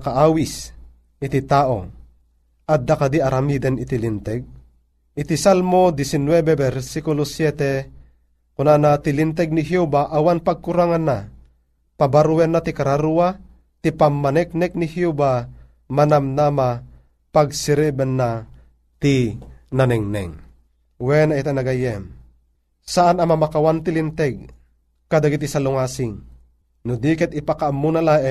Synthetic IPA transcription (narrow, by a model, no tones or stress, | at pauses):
kaʔawis | it̪it̪aʔo̰ | ad̪ːakad̪iaɾʔamid̪ɛnit̪ilint̪ɛɡ̚ | it̪isalmod̪isinwɛbebɛɾsikulosjɛt̪e | kunanat̪ilint̪ɛɡ̚niɦjubaʔawanpaɡ̚kuɾaŋanːa | pabaɾuwɛnːat̪ikaɾaɾua | t̪ipamːanɛk̚nɛk̚nihjuba | manamnama | paɡsiɾibɛnːa | t̪inanɛŋnɛ̰ŋ | wɛnait̪anaɡajɛm | saʔanamamakawant̪ilint̪ɛɡ̚ | kad̪aɡit̪isaluŋaːsiŋ | nud̪ikɛt̪ipakaʔamːunalaʔ